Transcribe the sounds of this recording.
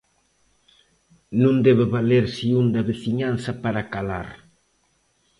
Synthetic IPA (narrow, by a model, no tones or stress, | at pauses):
nũnd̪ɛβɪβaleɾsiund̪ɐβeθiɲanθɐpaɾakalaɾ